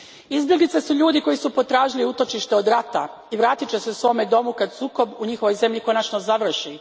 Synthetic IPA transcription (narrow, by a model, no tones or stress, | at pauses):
izbje̞ɡlit̪sesuʎuːd̪iko̞jisupo̞t̪ɾaːʒiliut̪o̞t͡ʃiʃt̪eo̞d̪ɾat̪a̰ | iʋɾaːt̪it͡ʃese̞usʋo̞me̞d̪o̞mukad̪suːko̞buɲixo̞ʋo̞jze̞mʎiko̞nat͡ʃnozaʋr̩ʃi